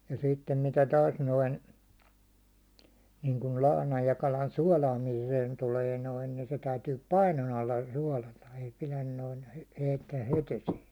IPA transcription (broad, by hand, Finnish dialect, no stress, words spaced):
jɑ sitːem mitæ tɑːs noin niːŋkul lɑhnɑj jɑ kɑlɑn suɒlɑːmiːseːn tuːleː noin ni se tæytyː pɑinon ɑlːɑ suɒlɑtɑ ei pilæn noin̞ heitːæː het esiːn̞